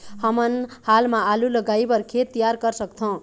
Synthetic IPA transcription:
hʌmʌnhalmaːlulʌɡaibʌrkʰet̪ːijarkʌrsʌkt͡s̪ʰʌ̃

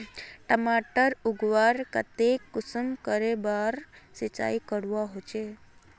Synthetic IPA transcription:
ʈəmaʈəɾuɡʋaɾkət̪ekːʊsəmkəɾebaɾsit͡ʃa̰ikəɽʋaɦot͡ʃʰe

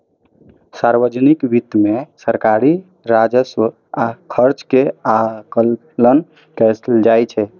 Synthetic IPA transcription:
saɾʋəd͡ʒnikbit̪mesəɾkaɾi | ɾad͡ʒəsə | akʰəɾt͡ʃkeakəlː | ən | kɛsld͡ʒajt͡ʃʰɛ

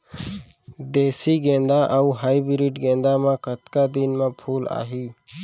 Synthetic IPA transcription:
d̪eːsiːɡẽːnd̪aːʔəuɦaːibɾiːʈɡẽːnd̪aːmãkət̪kad̪iːnmãpʰuːla̰ːɦiː

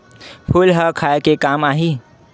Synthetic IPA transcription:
pʰʊlɦəkʰaːekekaːmaːɦiː

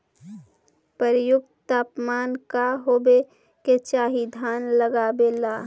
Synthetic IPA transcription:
pəɾjʊɡ̚t̪aːpmaːnkaɦoːbe | ket͡ʃaːɦid̪ʱaːnləɡaːbelaː

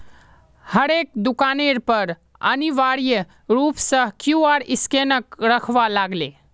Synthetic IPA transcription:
həɾek̚d̪ukaneɾpəɾ | ə̰niʋaɾij | ɾupsə̃kjuaɾiskenəkɾəkʰʋalaɡle

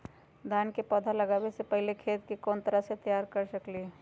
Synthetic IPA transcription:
d̪ʱaːnkepəd̪ʱaləɡaːbesepəɦɪlekʰeːt̪kekɔːnt̪əɾaset̪əjaːɾkəɾsəkliɛ

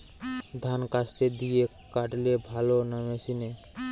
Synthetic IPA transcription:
d̪ʱankasʈ̪ed̪ije | kaʈlebʱalonameʃine

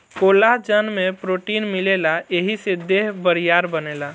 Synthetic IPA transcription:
kolaɦd͡ʒənmepɾoʈinmilelaeɦised̪eɦbəɾijaɾbənela

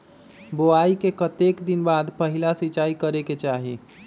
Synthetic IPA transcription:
boaikekət̪ekd̪inbad̪pəɦilasit͡ʃaːikəɾeket͡ʃaɦi

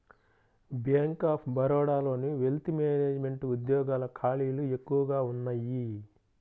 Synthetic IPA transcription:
bjaːŋkaːpʰbɐɾɔːɽaːlo̞ːniʋelt̪imeːneːd͡ʒme̞ɳʈuud̪jɔːɡaːlɐkʰaːɭiːlue̞kːuʋɐɡaːunːaji

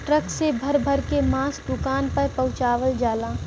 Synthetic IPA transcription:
ʈɾəksebʱəɾbʱəɾkemaːsɖʊkaːnpəɾpɐ̃ʊt͡ʃaːʋəld͡ʒaːlaː

